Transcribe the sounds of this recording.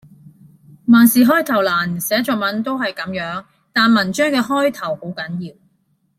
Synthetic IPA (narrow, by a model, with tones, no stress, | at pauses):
maː˨˩nsiː˨ɦɔː˥jt̪ʰɐ˨˩wlaː˨˩nsɛː˨˥t͡ʃɔː˨kmɐ˨˥nt̪o˥whɐ˨jkɐ˨˥mjœː˨˥ŋ | t̪aː˨nmɐ˨˩nt͡ʃœː˥ŋkɛː˧ɦɔː˥jt̪ʰɐ˨˩who˨˥wkɐ˨˥njiː˧w